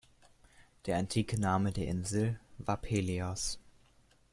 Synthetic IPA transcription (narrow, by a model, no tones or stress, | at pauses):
d̥eːɐantʰiːkənaːmədeːɐʔɪnzl̩vaːɐpʰeːliɔs